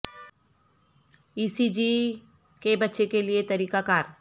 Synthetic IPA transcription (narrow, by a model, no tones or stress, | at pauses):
iːsid͡ʒi | kebɐt̪ːʃekeliet̪ɐɾiːkakaːɾ